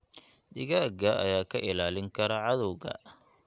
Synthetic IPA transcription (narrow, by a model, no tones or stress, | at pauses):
dɪɣaːɡɐɐ̰jaːkʰɐʔɪlaːlɪŋkʰɐɾɐʕɑðɔwɣɐ̰